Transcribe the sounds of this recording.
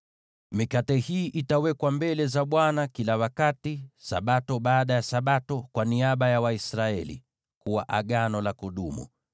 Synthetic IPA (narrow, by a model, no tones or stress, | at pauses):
mikatɛhiːʔitawɛkwambɛlɛzaɓwanakilawakatisa̰ɓatɔɓaːɗajasaɓatɔkwaniaɓajawaisɾaɛlḭ | kuwaʔaɠanɔlakuɗumṵ